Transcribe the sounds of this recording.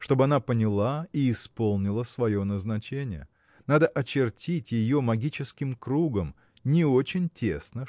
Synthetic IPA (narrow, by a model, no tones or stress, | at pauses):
ʂt̪o̞bɨɐnapənʲɪlˠaiːspo̞lˠnʲɪlˠəsvɐjo̞nəznɐt͡ɕenʲɪ̰jə̰ | nad̪əʔɐt͡ɕɪrtʲitʲjɪjo̞mɐɡʲit͡ɕɪskʲɪmkɾuɡəm | nʲɪo̞t͡ɕɪnʲtʲesnə